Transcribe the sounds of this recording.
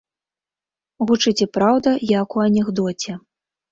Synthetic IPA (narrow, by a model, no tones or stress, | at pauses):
ɣut͡ʂɨt͡sʲɛpɾawd̪ɐjakuɐnʲɛɣd̪ɔt͡sʲɛ